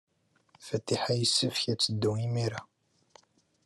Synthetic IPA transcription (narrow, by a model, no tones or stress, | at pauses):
fæt̪iħajəsːəfçæt͡sːəd̪ːuŋimiɾa